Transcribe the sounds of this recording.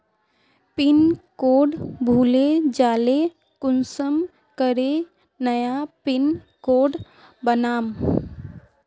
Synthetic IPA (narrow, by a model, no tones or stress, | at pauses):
pɪnkoːɖbʱuːled͡ʒaːle | kʊnsəm | kəɾe | nəjapɪn | koːɖ | bənaːm